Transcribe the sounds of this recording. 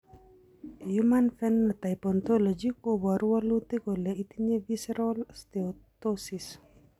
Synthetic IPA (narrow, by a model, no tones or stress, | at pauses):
jumanfɛnːat̪ajpɔnt̪olɔd͡ʒikobaɾualut̪ikoleit̪iɲevisɾolst̪eot̪osis